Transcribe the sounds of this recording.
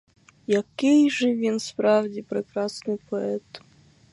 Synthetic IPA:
jɐkɪjʒɛʋʲinspɾɑwdʲipɾɪkɾɑsnɪjpɔɛt̪

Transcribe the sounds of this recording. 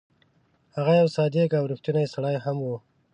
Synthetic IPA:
haɣajawsɑd̪ekawɾɪxt̪unajsaɽɑjhamwu

